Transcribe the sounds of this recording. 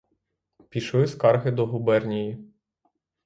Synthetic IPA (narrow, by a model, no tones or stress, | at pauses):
pʲiʃlˠɪskɑrɦɪd̪ɔɦubɛrnʲiji